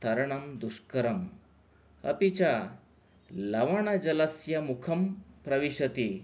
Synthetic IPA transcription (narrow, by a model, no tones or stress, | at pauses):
t̪ɐɾɐɳɐmd̪uʂkɐɾɐm | ɐ̰pit͡ɕa | lɐʋaɳ̃ad͡ʑɐlɐsjɐmukʰɐmpɾɐʋiɕɐt̪i